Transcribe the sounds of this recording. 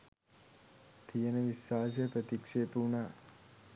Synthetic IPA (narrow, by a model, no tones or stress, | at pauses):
t̪ʰiəneʋisat͡ʃʰepɾət̪ikʂepuɳa